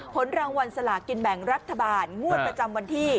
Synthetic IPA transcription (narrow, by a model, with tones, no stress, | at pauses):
pʰo˩˦nɾaː˧ŋwa˧nsa˧la˨˩ki˧nbɛ˨˩˦ŋɾa˦˥t̪ʰːa˧baː˧nŋu˥˩ət̪̚pɾa˧t͡ɕa˧mwa˧nt̪ʰiː˥˩